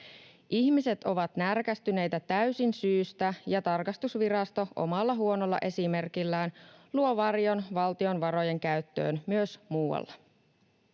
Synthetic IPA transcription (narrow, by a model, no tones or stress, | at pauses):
ʔiçmise̞t̪o̞ʋɑt̪nærkæst̪yne̞jt̪æt̪æysinsyːst̪æjɑt̪ɑrkɑst̪usʋiɾɑst̪o̞ʔo̞̰mɑlːɑɦuo̞no̞lːɑ̰ʔe̞sime̞rkilːæːnluo̞ʋɑrjo̞nʋɑlt̪io̞nʋɑɾo̞je̞ŋkæyt̪ːø̞̰ːnmyøsmuːwɑ̰lːɑ